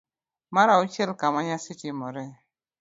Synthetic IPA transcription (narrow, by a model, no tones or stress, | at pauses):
maɾaut͡ʃɛlkamaɲasɪtimɔɾɛ